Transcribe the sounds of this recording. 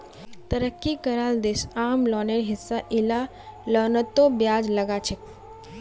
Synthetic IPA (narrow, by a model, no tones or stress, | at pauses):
t̪əɾəkːikəɾaːld̪eːsaːmlɔːneɾɦɪsːaʔɪla | lɔːnət̪ːobjaːd͡ʒləɡat͡ʃʰək̚